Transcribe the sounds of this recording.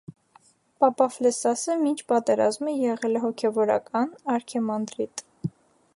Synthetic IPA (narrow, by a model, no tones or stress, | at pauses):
pɑpɑflɛsɑsəmint͡ʃʰpɑt̪ɛɾɑzməjɛʁɛlɛɦɔkʰɛvɔɾɑ̰kɑnɑɾkʰɛmɑnd̪ɾit̪